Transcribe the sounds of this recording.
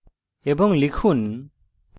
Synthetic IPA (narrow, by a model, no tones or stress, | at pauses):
ɛbɔŋlikʰun